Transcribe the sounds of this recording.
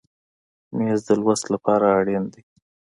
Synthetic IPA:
mezd̪əlwast̪lapɑɾaːɽind̪ej

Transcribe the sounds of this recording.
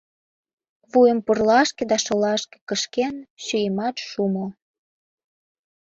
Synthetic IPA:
βujəmpurlɑʃked̪ɑʃŏlɑʃkĕ̥kəʃkenɕyjəmɑt̪ʃumo

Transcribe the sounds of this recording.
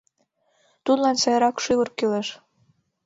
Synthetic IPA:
t̪ud̪lɑnsɑjɑɾɑkʃyɣurkyleʃ

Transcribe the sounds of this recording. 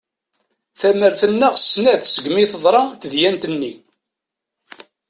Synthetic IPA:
θæməɾθənːəʁsnæðsəɡmiθəðˤɾˤɑt̪əðjænt̪ənːi

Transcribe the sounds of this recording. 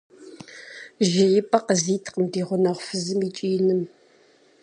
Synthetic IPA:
ʒɪɪpʼɐqəziːtʰqəmdiːʁʷʊnɐʁʷfɨzɨmiːt͡ʃʼiːnɨm

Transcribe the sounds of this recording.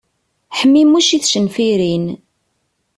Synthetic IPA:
ħəmːimːuʃiθʃənfiɾin

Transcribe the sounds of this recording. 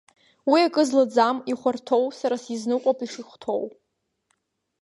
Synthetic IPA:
wiakʼɨzlad͡zamiχʷartʰo̞wsaɾasiznɨqʷʼapʰʼiʂɨχʷtʰo̞w

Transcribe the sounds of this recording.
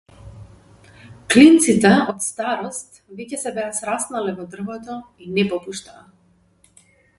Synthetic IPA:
klint̪sit̪ɛɔt̪st̪aɾɔst̪vɛcɛsɛbɛasɾasnalɛvɔd̪r̩vɔt̪ɔinɛpɔpuʃt̪aː

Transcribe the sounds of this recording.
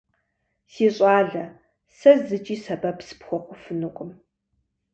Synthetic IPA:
siːɕʼaːɮɐ | sɐzɨt͡ʃʼiːsɐbɐpsɨ̥pxʷɔqʷʼʊfɨnɨqʷʼʊm

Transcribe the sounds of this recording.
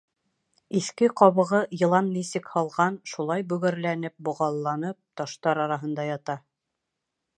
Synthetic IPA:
iθkɘqɒβɤ̆ʁɤjɤ̆lˠɑnnisɘkhɑlˠʁɑnʃulˠɑjbɵ̆ɣɘ̆ɾlænɘp̚bŏʁɑlˠːɑnɤp̚t̪ɑʃt̪ɑɾɑɾɑɦɤ̆nd̪ɑjɑt̪ɑ

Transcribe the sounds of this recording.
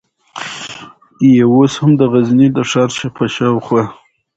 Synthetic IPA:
jewoshamd̪əɣaznid̪əʂɑɾʃapʰaʃawχwa

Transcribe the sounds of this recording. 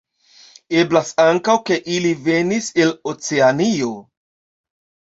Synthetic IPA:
e̞blasaŋkawke̞ʔilive̞nise̞lo̞t͡seanio̞

